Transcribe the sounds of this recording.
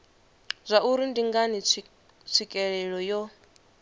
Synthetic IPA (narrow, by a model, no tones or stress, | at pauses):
zʷaʔuɾindiŋɡani | t͡sʰikʼɛɺɛɺɔjɔ